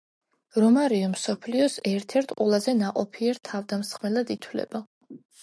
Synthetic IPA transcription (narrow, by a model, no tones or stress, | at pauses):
ɾɔmaɾiɔmsɔpʰliɔsɛɾt̪ʰɛɾt̪ʰqʼwɛlˠazɛnaqʼɔpʰiɛɾt̪ʰavd̪amsχmɛlˠad̪it̪ʰwlɛ̰ba